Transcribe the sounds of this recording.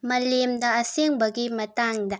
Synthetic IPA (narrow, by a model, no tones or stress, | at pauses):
mɐlimdaːsiŋbɐɡimɐtaŋda